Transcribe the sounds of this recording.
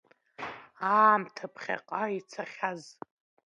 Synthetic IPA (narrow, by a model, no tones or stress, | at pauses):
aːmtʰapʰχʲa̰qʼait͡sʰaχʲaz